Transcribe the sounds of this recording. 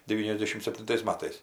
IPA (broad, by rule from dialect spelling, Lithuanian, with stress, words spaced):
dʲɛˈʋʲiːnʲɛzʲˌdʲæːʃʲɪm sʲɛpʲtʲɪnˈtɐɪs ˈmɑːtɐɪs